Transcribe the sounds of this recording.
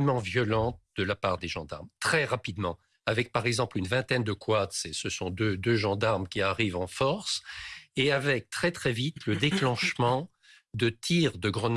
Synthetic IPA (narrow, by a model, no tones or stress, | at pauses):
mɑ̃vjɔlɑ̃t̪̚d̪̥əlapaʁd̪eʒɑ̃d̪a̰ʁmt̪χɛʁapid̪mɑ̃ | avɛk̚paʁɛɡzɑ̃plynvɛ̃t̪ɛnd̪əkwat̪sɛsəsɔ̃d̪ød̪øʒɑ̃d̪aʁmkʲiaʁivɑ̃fɔʁseavɛk̚t̪χɛt̪χɛvit̪ləd̪eklɑ̃ʃmɑ̃ | d̪ət̪ʰiʁd̪əɡʁən